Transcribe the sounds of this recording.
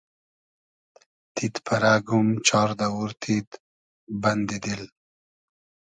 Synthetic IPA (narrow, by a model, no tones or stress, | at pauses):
t̪ʰit̪pʰaɾaɡumt͡ʃʰɑɾd̪awuɾt̪ʰit̪ | band̪id̪il